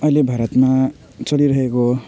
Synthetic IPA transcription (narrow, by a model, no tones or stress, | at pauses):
ʌjlebʱaɾʌt̪ma | t͡sʌliɾʌɦeko